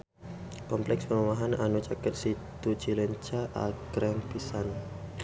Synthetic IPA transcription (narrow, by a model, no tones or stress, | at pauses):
kɔmplɛkspəɾumaɦananut͡ʃakət̪̚sit̪u̥t͡ʃiləɲt͡ʃaʔa̰ɡɾɛŋpisan